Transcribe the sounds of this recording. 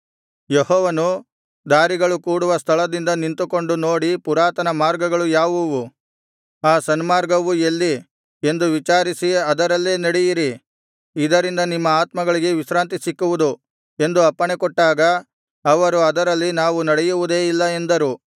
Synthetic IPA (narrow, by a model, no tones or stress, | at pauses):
jehɔːʋɐnu | d̪aːɾiɡɐɭukuːɽuʋɐst̪ʰɐɭɐd̪ind̪ɐnint̪uko̞ɳɖuno̞ːɽipuɾaːt̪ɐnɐmaːɾɡɐɡɐɭujaːʋuʋu | aːsɐnmaːɾɡɐʋuelːi | e̞nd̪uʋit͡ʃaːɾisiɐd̪ɐɾɐlːeːnɐɽɛjiɾi | id̪ɐɾind̪ɐnimːɐaːt̪mɐɡɐɭiɡe̞ʋisɾaːnt̪̬isikːuʋud̪u | e̞nd̪uɐpːɐɳekɔʈːaːɡɐː | ʋɐɾuɐd̪ɐɾɐlːinaːʋunɐɽɛjuʋud̪e̞ːilːɐe̞nd̪ɐɾu